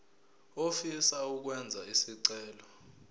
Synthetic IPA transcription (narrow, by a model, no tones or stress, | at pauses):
ofisauk̬wɛnd͡zʱaisiǀɛːlɔ